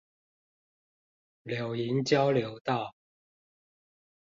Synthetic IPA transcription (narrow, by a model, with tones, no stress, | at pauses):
ljo˨˩ʊi˨˥nt͡ɕjɑ˥˦ʊljo˨˥ʊt̪ɑ˥˨ʊ